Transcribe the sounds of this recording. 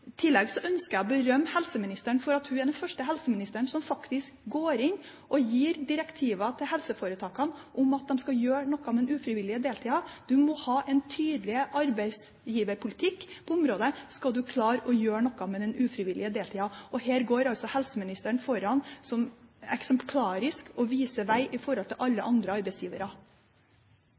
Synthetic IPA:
t̪ʰɪlːɛɡsɔʔœnskəɾæbəɾœmːhɛlsəmɪnɪst̪əɳfɔɾɑt̪hʉɛd̪ɛnfœʂʈəɦɛlsəmɪnɪst̪əɳsɔmfɑkt̪ɪskɡoːɾɪnː | ʔɔjiːɾd̪ɪɾɛkt̪ʰiːʋɑt̪ʰɪlhɦɛlsəfoːɾət̪ʰɑːkɑnʔʊmɑt̪̚d̪ɛmskɑjøːɳɔkːɑmɛd̪ɛnʉːfɾɪʋɪlːɪəd̪eːlt̪ʰiːɑd̪̥ʉmɔhɑːʔɛnt̪ʰyːd̪lɪəʔɑɾbæɪs | jiːʋəɾpʰʊlɪt̪ʰɪkːpʰɔʊmɾoːd̪əskɑld̪ʉkʰlɑːɾɔjøːɳɔkːɑmɛd̪ɛnʉːfɾɪʋɪlʔɪəd̪eːlt̪ʰiːɑɔheːɾɡoːɾɑlsɔhɛlsəmɪnɪst̪əɳfɔɾɑnsɔmɛksɛmpʰlɑːɾɪskɔʋiːsəʋæɪʔɪfɔɾhɔlt̪ʰɪlʔɑlːəʔɑnd̪ɾəɑɾbæɪsjiːʋəɾɑ

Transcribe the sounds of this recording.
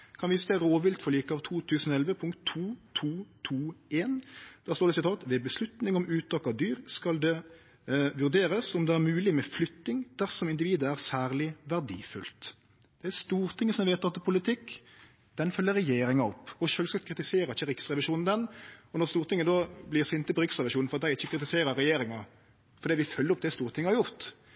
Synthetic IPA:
kʰɑnʋiːsəd̪ɛæɾoːʋɪlt̪fɔɾliːkəɑʋt̪ʰuːt̪ʰʉːsn̩ɔɛlʋəpʰʊŋkt̪ʰːuːt̪ʰuːt̪ʰuːeːnd̪̥æʁst̪oːɾɖ̪ɛsɪt̪ʰɑːt̪ʋɛbəslʉt̪nɪŋɔmʉːt̪ʰɑkːɑd̪yːɾskɑld̪ɛ | ʋʉɾd̪eːɾəsɔmd̪ɛæɾmʉːlɪmɛflʏt̪nɪŋd̪̥æʁsɔmɪnd̪ɪʋiːd̪əæɾsæːʁlɪʋæʁd̪ḭːfʉlt̪ | d̪̥ɛæst̪uːɾt̪ʰɪŋːəsɔmʋeɪt̪ɑt̪pʰʊlɪt̪ʰɪkː | d̪̥ɛnfœlːəɾɛjeːɾɪŋɑɔpːɔʃøːlsɑkʰɾɪt̪ɪseːɾɑɪçːəɾɪksʁɛʋɪʃuːnn̩d̪ɛnɔnɔɾst̪uːɾt̪ɪŋːəd̪ɔblɪːsɪnt̪ːəpɔɾɪksʁɛʋɪʃuːnn̩fɔɾɑt̪d̪æɪɪçːəkʰɾɪt̪ɪseːɾəɾɛjeːɾɪŋɑ | fɔɾd̪iːʋɪfœlːəɾɔp̚d̪ɛst̪uːɾt̪ʰɪŋəhɑɾjʊɾt̪

